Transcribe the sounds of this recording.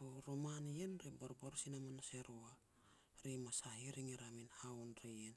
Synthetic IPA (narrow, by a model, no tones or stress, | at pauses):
oɾomanjenɾebaɾpaɾusinamanase̞ɾoa | ɾemasaɦiɾiŋiɾaminaonɾejen